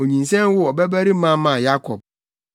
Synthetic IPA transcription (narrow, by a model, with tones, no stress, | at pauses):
o˨ɲĩ˨n˨sɛ̃˦m˦wʊ˦ɔ˨bɛ˦bæ˦ɾi˦mã˦mã˨ja˦kʰɔ˨b̚